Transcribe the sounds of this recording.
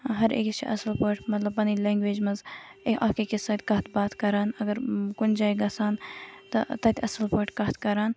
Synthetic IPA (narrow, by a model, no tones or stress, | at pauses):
ɦɐɾḛːkt͡ʃḭʔɐsəlpoːʈmɐt̪lɐbːɐnilẽːŋɡʋeːd͡ʒmɐz | ekaːkekesaːt̪ʲkɐːt̪ʰbaːt̪kɐɾaːnɐɡɐɾkʊnd͡ʒaːiɡɐsaːnt̪ɐt̪ɐt̪ʲɐsəlpɐːʈkɐɦt̪ʰkɐɾaːn